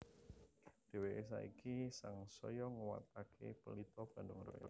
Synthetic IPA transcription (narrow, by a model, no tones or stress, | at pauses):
d̪̥e̤weʔes̬aikisaŋsɔjɔŋəwa̰t̪akʰḛpəlit̪ɔb̥a̤ndʊŋɾɔ̰jɔ̰